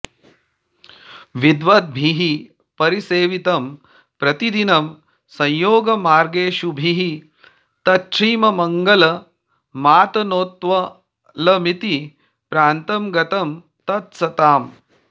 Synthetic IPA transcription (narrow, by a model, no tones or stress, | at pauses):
ʋid̪ʋɐt̪̚bʱiɦi | pɐɾiseːʋit̪ɐm | pɾɐt̪id̪inɐm | sɐ̃jjoːɡɐmaːɾɡeːʃubʱiɦi | t̪ɐʂiːmɐmɐŋɡɐlɐ | maːt̪ɐnoːt̪ʋɐ | lɐmit̪i | pɾaːnt̪ɐmɡɐt̪ɐm | t̪ɐt̪̚sɐt̪aːm